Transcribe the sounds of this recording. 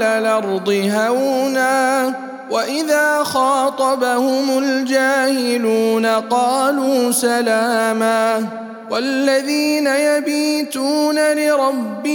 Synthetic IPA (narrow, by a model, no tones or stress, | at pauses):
lalʔɑɾˤd̪ˤɨɦawnaː | waʔɪðaːxɑːt̪ˤɑbahʊmʊld͡ʒaːhɪluːnaqɑːluːsalaːmaː | walːaðiːnajabiːt̪uːnalɪɾˤɑbːɪ